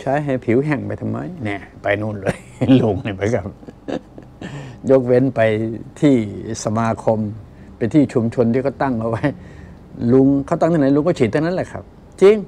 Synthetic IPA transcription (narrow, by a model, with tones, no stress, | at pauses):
t͡ɕʰaː˦˥jɦa˧˩pʰi˨˦wɦɛ˨˩ŋpa˧jt̪ʰa˧mːa̰˧˥˩jnɛː˧˩pa˧jnuː˧˥˩nlɤː˧˦j | lu˧˩ŋna˧˩pa˧˩kʰa˦˩p̚ | jo˦˥k̚we˧˥npa˧jt̪ʰiː˥˩sa˧maː˧kʰo˧m | pa˧nt̪ʰiː˥˩t͡ɕʰu˧mt͡ɕʰo˧nt̪ʰiː˧˩kɔː˥˩t̪a˥˩ŋʔa˧wa˦˥j | lu˧ŋkʰa˧˩˨t̪a˥˩ŋt̪ʰiː˧na˧˦jlu˧˦kɔ˥˩t͡ɕʰiː˨˩t̪ʰːa˧na˦˥˨lɛː˧˩kʰa̰˦˥˩p̚ | t͡ɕi˧ŋ